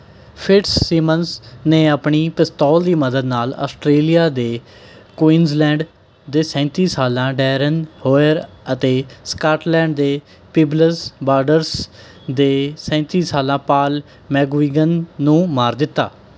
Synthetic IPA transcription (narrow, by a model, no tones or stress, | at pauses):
pʰɪʈsːiːmənsneːapɳiːpɪst̪ɔːld̪iːməd̪əd̪naːlɔ̰ːsʈɾeːlijaːd̪eː | kwiːnzlɛ̃ːɳɖ | d̪eːsɛ̃ːt̪iːsaːlãːɖɛːɾənhoːəɾət̪eːskaːʈlɛ̃ːɳɖd̪eː | piːbləsbaːɾɖəɾs | d̪eːsɛ̃ːt̪iːsaːlãːpaːl | mɛːɡiːɡənːũːmaːɾd̪ɪt̪ːa̰ː